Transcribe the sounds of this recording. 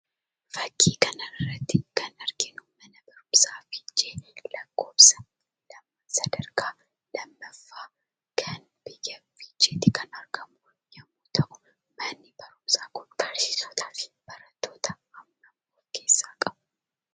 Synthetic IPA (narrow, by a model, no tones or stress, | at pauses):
fɐkːiːkɐnɐɪrːɐt̪ːɪkʰɐnɐɾɡɪnumɐnɐbɐɾʊmsaːfid͡ʒeːlɐkːo̞ːpsɐ | lɐmːɐsɐd̪ɐɾkaː | lɐmːɐfːaː | kʰɐn | bɪjɐfid͡ʒet̪ːɪkʰɐnɐɾɡɐmʊ | jɛmːuːt̪ʰɐʔʊ̥ | mɐnːɪbɐɾʊmsaːkʊnfɐɾsɪ̥sot̪ʰḁːfɪ̥b̥ɐɾɐt̪ːo̞ːt̪ɐ | ɐmːɐmːoːkʰeːsːaːkʼɐbʊ